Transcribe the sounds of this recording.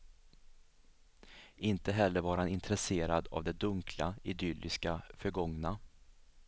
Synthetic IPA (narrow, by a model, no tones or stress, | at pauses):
ɪnt̪əɦɛlːəɾvɑːɾhanɪnt̪ɾɛseːɾad̪a̰vd̪ɛd̪ɵŋkʰlaɪd̪ʏlːɪskafœɾɡɔŋna